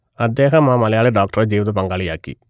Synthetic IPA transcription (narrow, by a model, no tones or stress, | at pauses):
ɐd̪ːe̞ːɦɐmaːmɐlɐjaːɭeɖoːk̚ʈɐred͡ʑiːʋɐðɐpɐŋɡaːɭijaːkːḭ